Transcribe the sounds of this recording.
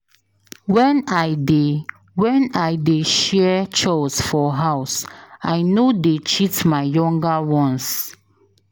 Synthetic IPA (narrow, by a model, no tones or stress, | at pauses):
wɛ̃naɪde | wɛ̃naɪdeʃɛt͡ʃɔsfɔɦaʊsaɪnodet͡ʃitmaɪjɔ̃ŋɡawɔ̃ns